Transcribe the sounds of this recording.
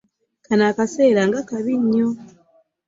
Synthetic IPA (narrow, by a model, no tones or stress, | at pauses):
kanakasɛlaŋɡakaβiɲɔ